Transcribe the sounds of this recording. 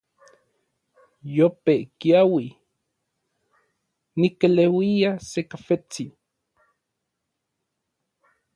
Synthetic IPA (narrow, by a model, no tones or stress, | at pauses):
jopeʔkiawi | nikelewiasekafet͡si